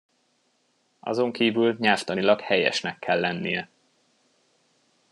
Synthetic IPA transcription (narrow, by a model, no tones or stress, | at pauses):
ɒ̰zo̞ŋkiːvylɲɛlft̪ɒnilɒkhɛjɛ̰ʃnɛkːɛlːɛnːijɛ